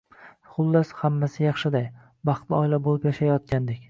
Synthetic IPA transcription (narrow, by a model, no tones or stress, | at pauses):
χʊlˠːashamːasɪjɑχʃɪd̪aj | bɑχt̪lɪɒɪlabolˠɪpjaʃajɒt̪̚kʲand̪ekʲ